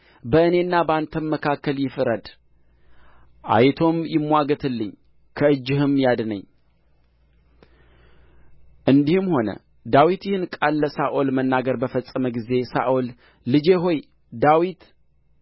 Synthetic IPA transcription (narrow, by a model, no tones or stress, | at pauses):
bəɨne̞nːabəant̪ʰənməkʰakːəljɪfɨɾəd̪ | ʔa̰jt̪ʰo̞mjɪmːwaɡət̪ʰɨlːɨɲ | kʰəɨd͡ʒːɪhɨmjad̪nə̰ɲː | ʔɨnd̪ihɨmho̞nə̰ | d̪awit̪jɪhɨnkʼalːəsaʔolmənːaɡəɾbəfəsʼːəməɡize̞sa̰ʔolː | ɨd͡ʒe̞ɦo̞j | d̪awit̪